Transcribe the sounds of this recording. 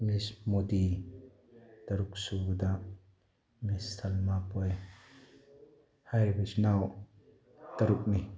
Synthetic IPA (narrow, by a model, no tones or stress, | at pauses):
mismod̪i | t̪ɐɾuk̚sud̪a | mistʰɐlmapɔj | hajbisnaw | t̪ɐɾuk̚ni